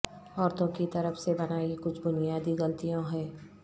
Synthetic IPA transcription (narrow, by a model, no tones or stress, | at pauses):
ɔːɾt̪õkit̪ɐɾəfsebɐnaːikʊt͡ʃʰbʊnijaːd̪iɣɐlt̪ijõɦɛː